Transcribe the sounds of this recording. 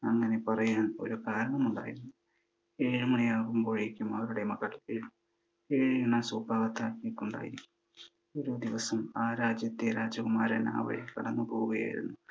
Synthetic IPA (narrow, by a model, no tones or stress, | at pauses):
ɐŋːɐne̞pɐrɐjaːno̰ɾukaːɾɐɳɐmuɳɖa̰ːjiɾunːu | eːɻumɐɳijaːɣumkoɻiikʲːumɐʋɐɾuɽemɐɣːɐleɻ | eːɻjɐnɐsuːbʱaːɣɐt̪ːaːikːuɳɖa̰ːjiɾikʲːu | oɾud̪iʋɐsɐmaːɾaːd͡ʑjɐt̪ːeɾaːd͡ʑɐkumaːɾɐ̰na̰ːʋɐ̰ɻekɐɽɐnːɨpo̞ːɣuɣɐja̰ːjḭɾṵnːu